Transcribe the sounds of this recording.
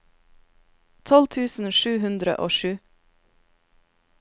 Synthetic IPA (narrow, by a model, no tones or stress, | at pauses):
t̪ʰɔlt̪ʰʉːsn̩ʃʉːhʉnd̪ɾə̰ʔoːʃʉː